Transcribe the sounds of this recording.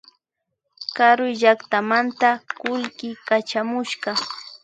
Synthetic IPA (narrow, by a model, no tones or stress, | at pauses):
kaɾʊjʒakt̪amant̪akʊlkɪkat͡ʃamʊʃɢɑ